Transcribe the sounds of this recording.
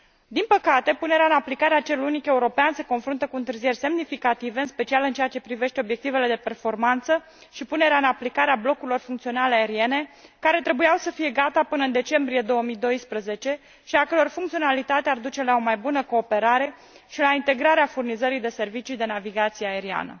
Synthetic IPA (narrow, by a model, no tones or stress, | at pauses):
d̪inpəkat̪e̞pune̞ɾeaɨnaplikaɾeat͡ʃe̞lunike̞uɾo̞peanse̞ko̞nfɾunt̪əkuɨnt̪ɨrzije̞rʲse̞mnifikat̪ive̞ɨnspe̞t͡ʃialɨnt͡ʃeat͡ʃe̞pɾive̞ʃt̪eobje̞k̚t̪ive̞le̞d̪e̞pe̞rfo̞rmant̪sə | ʃipune̞ɾeaɨnaplikaɾeablo̞kuɾilo̞rfuŋkt̪sio̞naleae̞ɾie̞ne̞kaɾe̞t̪ɾebujawsəfije̞ɡat̪apɨnəɨnd̪e̞t͡ʃe̞mbɾije̞d̪o̞wəmid̪o̞jspɾəze̞t͡ʃe̞ | ʃiakəɾo̞rfuŋkt̪sio̞nalit̪at̪eard̪ut͡ʃe̞lao̞majbunəko̞ːpe̞ɾaɾe̞ | ʃilaint̪e̞ɡɾaɾeafurnizəɾid̪e̞se̞rvit͡ʃid̪e̞naviɡat̪sieae̞ɾia̰nə̰